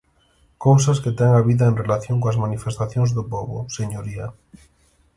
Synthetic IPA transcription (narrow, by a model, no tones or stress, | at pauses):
kows̬ɐsket̪ɛŋaβiðaenrelaθjõŋkoazmanifest̪aθjoŋzðʊpɔβʊ̰seɲoɾia